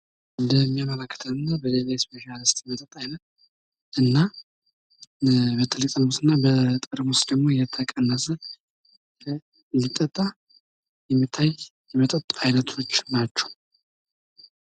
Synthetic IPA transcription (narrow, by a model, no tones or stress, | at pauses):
nd̪əmːijamːələkʰːə̥t̪ʰəwɨnːabəlelajspʰe̞ʃalɨst̪jmət̪ʼət̪ʼːajnət̪̚ | ʔɨnːa | bet̪ʰəlɨk̪ʼəlmusɨnːabət̪ʼəɾmost̪d̪əɡmo̞jɛt̪ʰəkʼənːəsə | lit̪ʼːət̪ʼːa | jɛmːit̪ʰːajjɛmət̪ʼət̪ʼːajnət̪ʰo̞t͡ʃːnat͡ʃːɛ̥w